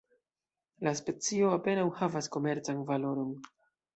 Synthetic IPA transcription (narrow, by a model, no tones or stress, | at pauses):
laspe̞t͡sio̞ape̞nawhavasko̞me̞ɾt͡sanvalo̞ɾo̞n